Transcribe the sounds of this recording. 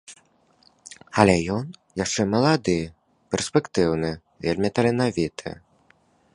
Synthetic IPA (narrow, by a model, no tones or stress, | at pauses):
ɐlʲɛjɔnjaʂt͡ʂɛmɐlˠad̪ɨ | pʲɛrspʲɛkt̪ɨwnɨ | vʲelʲmʲit̪ɐlʲɛnavʲit̪ʰɨ̰